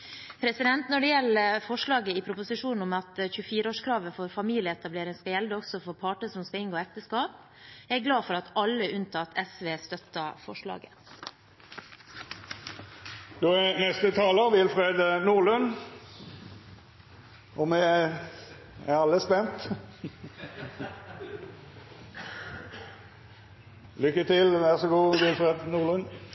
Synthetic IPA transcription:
pʰɾɛsɪd̪ɛnt̪nɔɖɛjɛlːəfɔʂɭɑːɡəɪpʰɾʊpʊsɪʂuːnn̩ɔmɑt̪çʉəfiːɾəoːʂkʰɾɑːʋəfɔɾfɑmiːlɪəɛt̪ɑbleːɾɪŋskɑjɛld̪əɔɡsɔfɔɾpʰɑːʈəsɔmskɑɪŋɡoːɛkt̪əskɑːp̚ | æɾɡlɑːfɔɾɑt̪ɑlːəʔʉnt̪ʰɑːt̪ʰɛsʋeːst̪œt̪ːɑfɔʂɭɑ̰ːɡə̰ | d̪̥oːɛnɛst̪ət̪ʰɑːləʁʋɪlfʁeːd̪nuːʁlʉn | ɔmɛ | æʁɑlːəspɛnt̪ | lʏkːət̪ɪlʋæʁsɔɡuːʋɪlfʁeːd̪nuːʁlʉn

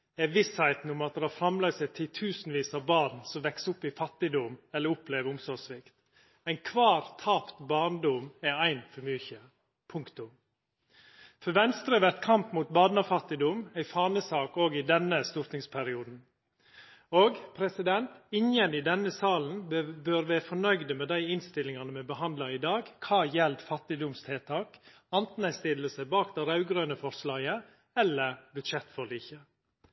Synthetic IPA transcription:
ɛʋɪshæɪt̪n̩ʊmɑt̪̚d̪ɛhɑːɾfɾɑmlɑɡt̪sɛɪt̪ʰɪlt̪ʰʉːsn̩ʋiːsɑːʋbɑːd̪nsɔmʋɛksʊpːɪfɑt̪ːɪd̪ʊmɛlːəɾʊpleːʋəɾʊmsɔsʋɪkt̪ | æɪnkʰʋɑːɾt̪ʰɑːpt̪bɑːɳd̪ʊmɛæɪnfɔɾmyːçə | pʰʊŋkt̪ʊm | fɔɾʋɛnst̪ɾəʋæt̪kʰɑmpmuːt̪̚bɑːd̪nɑfɑt̪ːɪd̪ʊmæɪfɑːnəsɑːkoːɡɪd̪ɛnːəst̪ʊɾt̪nɪŋspʰæɾɪuːd̪n̩ | oːɡpʰɾɛsɪd̪ɛnt̪ɪŋjənɪd̪ɛnəsɑːln̩bøːɾʋæːəfɔɳœʏd̪əmɛːd̪æɪɪnst̪ɪlɪŋɑnəmɛːbəhɑnd̪lɑɪd̪ɑːɡkʰɑːjɛlt̪fɑt̪ːɪd̪ʊmst̪ʰeːt̪ʰɑːk | ɑnt̪n̩æɪst̪ɪlːəsæɪbɑːkd̪ɛɾɑʉɡɾøːnəfɔɾslɑːɡə | ɛlːəɾbʉʃɛt̪ːfɔliːçə

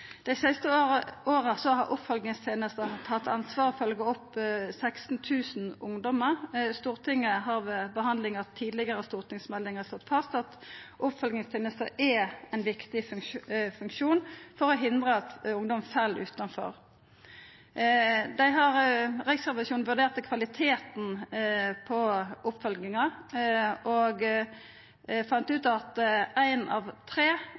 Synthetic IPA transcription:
d̪̥ɛɪsæɪst̪əoːʁəsɔhɑʁʔʊpfɔlɡnɪŋst̪ʰeːnəst̪ət̪ʰɑt̪ʰːɑ̰nsʋɑːʁɔfœlɡəɔpsækst̪n̩t̪ʰʉːsn̩ʊŋd̪ɔməʁst̪uːʁt̪ʰɪŋːəɦɑʁʋebəɦɑnd̪lɪŋət̪ʰiːd̪lɪɡəʁəst̪uːʁt̪ɪŋsmɛlːɪŋəʁst̪ɔt̪ːfʰɑsɑt̪ʔʊpfɔlɡnɪŋst̪ʰeːnəst̪əʔɛɛɪnʋɪkt̪ɪ | fʉŋkʃuːnfɔʁɔɦɪnd̪ʁəɑt̪ʊŋd̪ɔmfɛlːʔʉ̰ːt̪ɑnfɔ̰ʁ | d̪æɪɦɑʁʁɪksɛʋɑsjuːn̩ʋʉɖ̪eːʁt̪kʰʋɑlɪt̪ʰeːt̪n̩ | pʰɔʔʊpfɔlɡnɪŋɑ | ɔɡ | fɑnt̪ʉːt̪ɑt̪æɪnɑʋt̪ʰʁeː

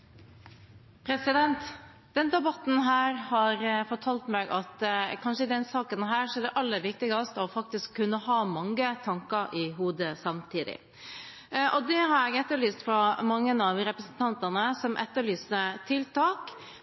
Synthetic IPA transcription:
pʰɾɛsɪd̪ɛnt̪ | d̪̥ɛnd̪ɛbɑt̪ːn̩ɦæːɾhɑɾfɔʈʰɑlt̪mɛːɡʔɑt̪kʰɑnʂəɪd̪ɛnsɑːkənɦæːɾʂɔɛɖɛʔɑlːəʋɪk̚t̪ɪɡɑst̪ɔfɑk̚t̪ɪskʰːʉnːəhɑːmɑŋːət̪ʰɑŋkəɾʔɪɦuːd̪əsɑmt̪ʰiːd̪ɪ̰ | ʔɔd̪ɛɦɑɾɛɡɛt̪ːəɭyːst̪fɾɑmɑŋːənɑʋɾɛpɾəsnt̪ʰɑnt̪ɑnəsɔmʔɛ̰t̪ːəɭyːsət̪ʰɪlt̪ʰɑːk

